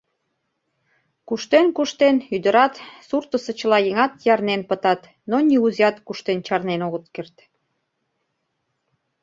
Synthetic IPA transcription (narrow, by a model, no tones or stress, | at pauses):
kuʃt̪enkuʃt̪enyd̪əɾɑt̪surt̪əsə̆t͡ɕəlɑjeŋɑt̪jɑrnenpə̆t̪ɑt̪ | nonʲiuziɑt̪kuʃt̪ent͡ɕɑrnenoɣə̆t̪̚kert̪